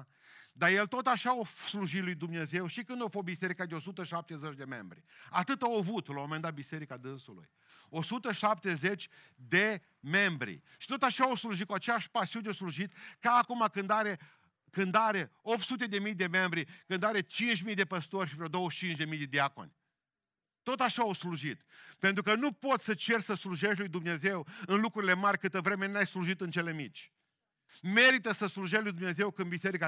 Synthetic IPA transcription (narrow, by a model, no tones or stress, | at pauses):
d̪aje̞lt̪o̞t̪aʃaosluʒit̪lujd̪umne̞ze̞wʃikɨnd̪ofobise̞ɾikad̪eo̞sut̪əʃap̚t̪ezet͡ʃd̪e̞me̞mbɾiat̪ɨt̪aovut̪lmomend̪at̪̚bise̞ɾikad̪ɨnsulṵj | osut̪əʃap̚t̪ezet͡ʃʲ | d̪e̞ | me̞mbɾḭ | ʃi̥t̪o̞t̪aʃaosluʒit̪kuat͡ʃeaʃpasiunosluʒit̪kaːkumakɨnd̪aɾe̞ | kɨnd̪aɾeop̚t̪sut̪e̞d̪e̞mijd̪e̞me̞mbɾikɨnd̪aɾe̞t͡ʃint͡ʃʲmijd̪e̞pəst̪orʲʃivɾeod̪o̞wəʃt͡ʃint͡ʃd̪e̞mijd̪e̞d̪iako̰nʲ | t̪o̞t̪aʃaawsluʒit̪pe̞nt̪ɾukənupo̞t̪ssət͡ʃe̞rsəsluʒe̞ʃlujd̪umne̞ze̞wɨnlukɾuɾile̞marʲkɨt̪əvɾe̞me̞najsluʒit̪ɨnt͡ʃe̞le̞mit͡ʃʲ | me̞ɾit̪əsəsluʒelujd̪umne̞ze̞wkɨnbiseɾika